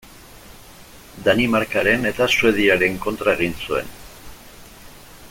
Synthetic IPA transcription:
d̪animaɾkaɾe̞ne̞t̪asue̞ð̞iaɾe̞ŋko̞nt̪ɾae̞ɣ̞insue̞̰n

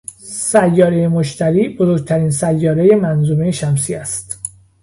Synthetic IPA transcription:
sæjːɒːɾejemoʃt̪ʰæɾiːbozoɾɡ̚t̪ʰæɾiːnsæjːɒːɾe̞je̞mænzuːmejeʃæmsiːæst̪

